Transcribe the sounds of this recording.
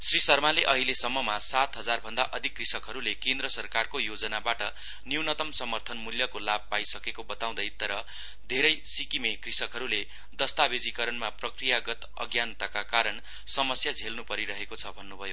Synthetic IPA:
srisʌrmaleʔʌɦilesʌmːʌmasat̪ɦʌd͡zarbʱʌnd̪aʔʌd̪ʱikːrisʌkɦʌɾulekend̪ɾʌsʌrkarkojod͡zʌnabaʈʌ | niunʌt̪ʌmsʌmʌrt̪ʰʌnmuljʌkolab̚pajsʌkekobʌt̪aw̃d̪ʌjt̪ʌɾʌ | d̪ʱeɾʌjsikimekrisʌkɦʌɾule | d̪ʌst̪abed͡zikʌɾʌnmaprʌkrijaɡʌt̪ | ʌ̰ɡjant̪akakaɾʌn | sʌmʌsjad͡zʱelnupʌɾiɾʌɦekot͡sʰʌbʱʌnːubʱʌjo

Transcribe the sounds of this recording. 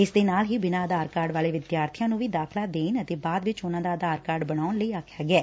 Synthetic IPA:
ɪsd̪eːnaːlɦiːbɪnãːəd̪aːɾkaːɾɖʋaːleːʋɪd̪jaːɾt̪ʰijãːnũːʋiːd̪aːkʰlaːd̪eːnət̪eːbaːd̪ʋɪt͡ʃʊnãːd̪aːəd̪aːɾkaːɾɖbəɽ̃aːʊnləiːaːkʰjaːɡɪɛː

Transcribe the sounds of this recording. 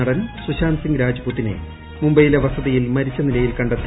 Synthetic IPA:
ɐɽɐnsuɕaːnsiŋɡɾaːd͡ʑɐbut̪ːinḛ | mumbɐjilɐʋɐsɐðɐjilmɐɾit͡ɕːɐnilɐjilkɐɳɖɐt̪ːi

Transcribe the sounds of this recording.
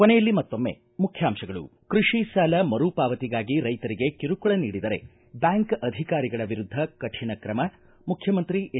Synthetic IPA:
konejɐlːimɐt̪ːo̞mːḛ | mukʰjaːmʃɐɡɐɭṵkɾuʂiʃaːlɐmɐɾuːpaːʋɐt̪iɡaːɡiɾɐjt̪ɐɾiɡe̞kiɾukuɭɐniːɽid̪ɐɾe̞̰ | bjaːŋkɐd̪ʱikaːɾiɡɐɭɐʋiɾud̪ʱːɐkɐʈʰinɐkɾɐmɐ | mukʰjɐmɐnt̪ɾiʔ

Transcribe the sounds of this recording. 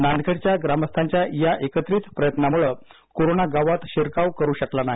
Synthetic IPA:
nandkʰəɽt͡ɕjaɡɾaməst̪ʰaɲt͡ɕjajaʔekət̪ɾiːt̪pɾəjət̪namuɭə | koɾonaɡaʋat̪ɕeɾkaʋkəɾuːɕəklanaɦi

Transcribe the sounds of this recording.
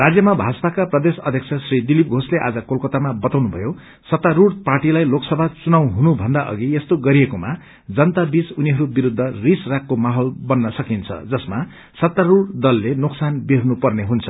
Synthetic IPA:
rad͡zjʌmabʱaspakaprʌd̪esʌd̪ʱjʌkt͡sʰʌsrid̪ilip̚ɡʱosleʔa̰d͡zʌkolkʌt̪amabʌt̪awnubʱʌ̰jo | sʌt̪ːaɾuɽpaʈilajloksʌbʱat͡sunaw̃ɦunubʱʌnd̪aʔʌ̰ɡiest̪oɡʌɾijekoma | d͡zʌnt̪abit͡suniɦʌɾubiɾud̪ʱːʌrisrakʰːomaɦolbʌnːʌsʌkint͡sʰʌ̰d͡zʌsma | sʌt̪ːaɾuɽd̪ʌlːenoksanbeɾnupʌrneɦunt͡sʰʌ̥

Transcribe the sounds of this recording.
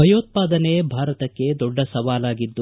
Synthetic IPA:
ɐjoːt̪̚paːd̪ɐnebʱaːɾɐt̪ɐkːe̞d̪ɔɖːɐsɐʋaːlaːɡid̪ːu

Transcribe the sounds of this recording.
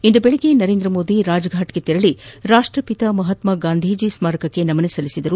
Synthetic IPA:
ind̪ubeɭiɡenɐɾe̞ːnd̪ɾɐmo̞ːd̪iɾaːd͡ʒɐɡʱaːʈɡet̪ɛɾɐɭiɾaːʂʈɾɐpit̪ɐmɐɦɐt̪mɐɡaːnd̪ʱiːd͡ʒismaːɾɐkɐkːe̞nɐmɐnesɐlisid̪ɐɾu

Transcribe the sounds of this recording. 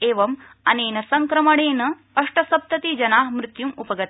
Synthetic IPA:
eːʋɐm | ɐneːnɐsɐŋkɾɐmɐɽeːnɐ | ɐʂʈɐsɐb̚t̪ɐt̪id͡ʒɐnaːɦmɾɪt̪jumupɐɡɐt̪

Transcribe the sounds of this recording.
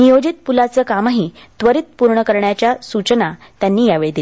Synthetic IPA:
nijod͡ʑit̪̚pulat͡səːkamaɦi | t̪ʋəɾit̪̚puɾɳəkəɾɳjat͡ɕjasut͡ɕəna | t̪janːiːjaʋeɭed̪il

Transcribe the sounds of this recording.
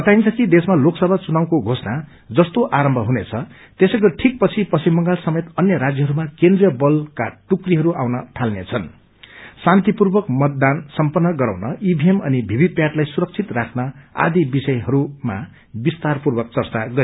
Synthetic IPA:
kʌt̪aint͡sʰʌkid̪esmaloksʌbʱat͡sunaw̃koɡʱosna | d͡zʌst̪oʔaɾʌmbʱʌɦunet͡sʰʌ | t̪esʌɡʌʈʰik̚pʌt͡sʰipʌsʰimːʌŋɡalsʌmet̪ʌnjʌɾad͡zjʌɦʌɾumakend̪rijʌbʌlkaʈukriɦʌɾuʔaw̃nʌʈʰalnet͡sʰʌn | sant̪ipurbʌkmʌt̪̚d̪ansʌmpʌnːʌɡʌɾa̰w̃nʌʔibʱiemʌ̰nibʱibipjaʈlajsuɾʌk̚t͡sʰit̪rakʰnʌa̰d̪ibisʌjɦʌɾuma̰ | bist̪arpurbʌk̚t͡sʌrt͡saɡʌ

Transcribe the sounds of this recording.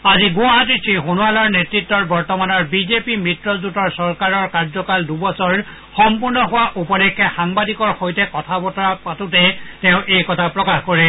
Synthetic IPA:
aziɡʊaɦat̬it͡ʃʰixonualɔɹnetɹitːɔɹbɔɹtɔmanɔɹbizepimɹitɹɔzutɔɹsɔɹkaɹɔɹkaɹzɔkaldubɔsɔɹ | xɔmpuɹnɔɦʊwaʔupɔlɛkʰːɛxaŋbadikɔɹxojtɛkɔtʰabɔtɔɹapatutɛtɛʊ̃ʔejkɔtʰapɹɔkaxkoɹɛ

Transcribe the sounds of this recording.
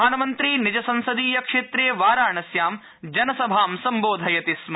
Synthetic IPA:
aːnɐmɐnt̪ɾiːnid͡ʒɐsɐ̃nsɐd̪iːjɐkʂeːt̪ɾeːʋaːɾaːɳɐsjaːm | d͡ʒɐnɐsɐbʱaːmsɐmboːd̪ʱɐjɐt̪ism

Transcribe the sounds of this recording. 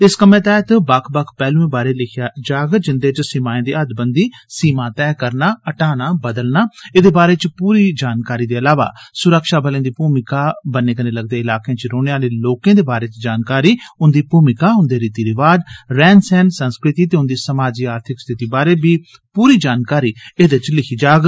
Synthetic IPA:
ɪskəmẽːt̪ɛːt̪bəkʰbəkʰpɛːlũːẽːbaːɾeːlɪkʰjaːd͡ʒaːɡd͡ʒɪnd̪eːt͡ʃsiːmãːẽːd̪iːəd̪bənd̪iːsiːmãːt̪ɛːkəɾnaːəʈaːnaːbəd̪əlnaːɪd̪eːbaːɾeːt͡ʃpuːɾiːd͡ʒaːnkaːɾiːd̪eːəlaːʋa̰ːsʊɾəkʃaːbəlẽːd̪iːpuːmɪkaːbənẽːkənẽːləɡd̪eːɪlaːkejãːt͡ʃɾoːneːaːleːloːkẽːd̪eːbaːɾeːt͡ʃd͡ʒaːnkaːɾiːʊnd̪iːpuːmɪkaːʊnd̪eːɾiːt̪iːɾɪʋaːd͡ʒɾɛːnsɛːnsənskɾɪt̪iːt̪eːʊnd̪iːsəmaːd͡ʒiːaːɾt̪ʰɪkst̪ʰɪt̪iːbaːɾeːbiː | puːɾiːd͡ʒaːnkaːɾiːeːd̪et͡ʃlɪkʰiːd͡ʒaːɡ

